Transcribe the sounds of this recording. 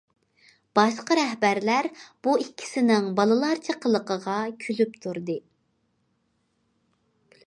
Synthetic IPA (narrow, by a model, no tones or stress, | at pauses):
b̥ɑʃqɑɾɛɦbæɾlæɾb̥uikʲʰːi̥sɪnɪŋbɑlˠɨlˠɑɾt͡ʃʰəqʰəlˠəqəʁɑkʲʰylypt̪ʰuɾd̪ɨ